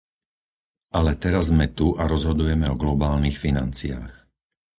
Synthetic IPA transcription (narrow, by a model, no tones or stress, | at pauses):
alɛt̪ɛɾazmɛt̪uʔaɾɔzɦɔd̪ujɛmɛɔɡlɔbaːlnixfina̰nt͡sia̰ːx